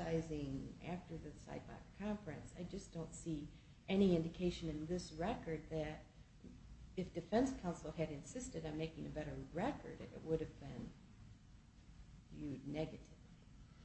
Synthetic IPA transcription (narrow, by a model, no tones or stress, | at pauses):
aɪzɪ̃ŋæ̰ftə˞ðɨsa̰ɪt̚b̥ɑ̰kkʰɑ̃ɱfɹɨ̃nsaɪd͡ʒʌsd̥õʊ̃ntsi | ɛniɪ̃ndɨkʰeɪʃɨ̃nɨ̃nðɪsɹɛkə˞d̪̚ðɨɾ | ɨfd̥ɨfɛ̃nskʰãʊ̃nsl̩ˠɨɾɨ̃nsɪstɨɾãɪ̃meɪkɪ̃ŋɨbɛɾə˞ɹɛkə̰˞ɾɪ̰t̚wʊɾɨvbɪ̃n | jʉnɛɡɨɾɪvli